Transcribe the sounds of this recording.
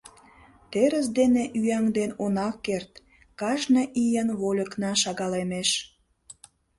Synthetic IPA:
t̪eɾəs̬d̪eneʔyæŋd̪enonɑkːert̪ | kɑʃnəʔijənβolʲə̆knɑʃɑɣɑlemeʃ

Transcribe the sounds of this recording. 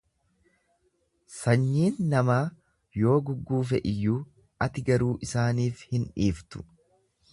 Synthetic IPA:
sɐɲːiːnːɐmaː | jo̞ːɡʊɡːuːfɛʔɪjːuː | ɐt̪ɪɡɐɾuːʔɪsaːniːfhɪnᶑiːft̪ʊ̥

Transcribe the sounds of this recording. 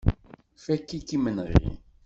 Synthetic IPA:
fækːikːimənɾ̰lḭ

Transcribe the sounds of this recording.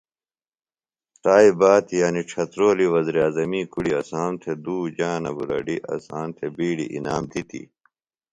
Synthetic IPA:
t̪aːibaːt̪ijaːniʈ͡ʂʰɐt̪ɾoːliwɐziɾaːzɐmiːkuɽiɐsaːnt̪ʰed̪uːd͡ʑaːnɐ̰buɾɐ̰ɖiʔɐ̰saːnt̪ʰebiːɽḭʔḭna̰ːmt̪it̪ḭ

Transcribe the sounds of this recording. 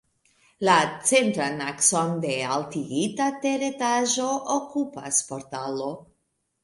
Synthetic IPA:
lat͡se̞ntɾanakso̞nde̞altiɡitate̞ɾe̞taʒo̞ʔokupa̰spo̞ɾtalo̞

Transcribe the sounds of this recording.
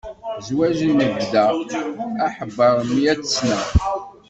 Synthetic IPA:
zwæʒinəvd̪æ | æħəbːəɾˤəmːiæt͡sə̥snæ

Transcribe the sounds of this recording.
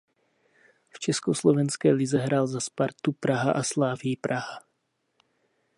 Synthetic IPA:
ft͡ʃɛskoslovɛnskɛːlɪzɛɦɾaːlzaspaɾt̪upɾaɦaʔaslaːvɪjipɾaɦa

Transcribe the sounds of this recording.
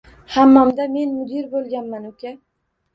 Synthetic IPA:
hamːɒmd̪ame̞nmʊd̪ɪɾbolˠɡʲanmanokʲʰa

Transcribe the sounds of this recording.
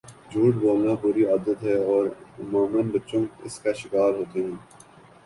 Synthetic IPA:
d͡ʒʱuːʈboːmnapuːɾiaːd̪ət̪ɦɛɔːɾmaːmənbɐtːʃõːɪ̰skaʃɪkaːɾɦoːt̪eɦɛ̃ː

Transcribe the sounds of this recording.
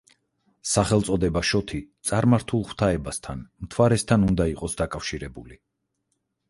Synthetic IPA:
saχɛlˠt̪sʼɔd̪ɛbaʃɔt̪ʰit̪sʼaɾmaɾt̪ʰulˠχw̥t̪ʰaɛbast̪ʰanmt̪ʰwaɾɛst̪ʰanund̪aiqʼɔsd̪akʼafʃiɾɛbuli

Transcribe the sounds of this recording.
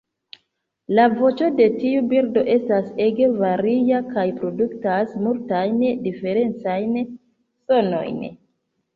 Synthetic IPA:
lavo̞t͡ʃo̞de̞tiubiɾdo̞ʔe̞stase̞ɡe̞vaɾijakajpɾo̞duktasmultajndife̞ɾe̞nt͡sajn | so̞no̞̰jn

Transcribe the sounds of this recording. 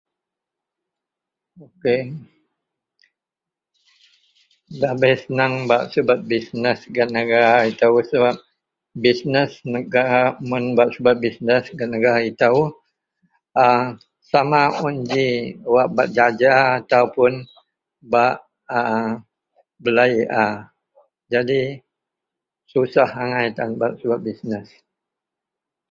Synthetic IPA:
oke | babajsənaŋbaʔsubat̪̚bisnəsɡanəɡaɾait̪ausəbap̚ | bisnəsnəɡaɾamunbaʔsubat̪̚bisnəsɡanəɡaɾait̪au | ə | samaund͡ʒiwaʔba̰ʔ̚d͡ʒad͡ʒaːt̪aupʊn | baʔ | ə | bəlajʔa | d͡ʒadi | susahaŋajt̪anbat̪̚səbat̪̚bisnəs

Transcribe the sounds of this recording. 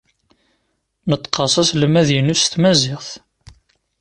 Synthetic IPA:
nət̪ˤːqːɑsˤɑsləmæðjənust̪mæzɪʁθ

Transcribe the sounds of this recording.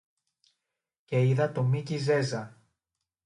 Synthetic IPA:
ce̞iðɐt̪o̞micize̞zɐ

